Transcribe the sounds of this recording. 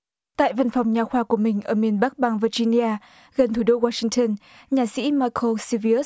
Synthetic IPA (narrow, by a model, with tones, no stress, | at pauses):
t̪a̰ː˧˨jvə˧˨nfɔ˨˩wŋ͡mɲaː˨˩xwaː˧˩ku˧˩əmï˨˩ŋ̟ʔəː˧˩mi˨˩ənɓa˦˥k̚ɓaː˧˩ŋvə˧zi˧ni˧ʔaː˧ | ɣə˨˩nt̪ʰu˧˩ɗo˧waː˧sï˧ŋt̪ə˧n | ɲaː˨˩sḭ˧˥maː˧jkʰo˧si˧vi˧ə˦˥